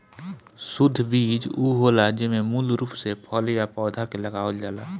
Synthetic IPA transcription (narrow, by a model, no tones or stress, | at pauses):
sʊd̪ʱːbiːd͡ʒuːɦoːlad͡ʒɪmẽmulɾuːpsepʰɔːljapɔːd̪ʱakeləɡaːold͡ʒaːlaː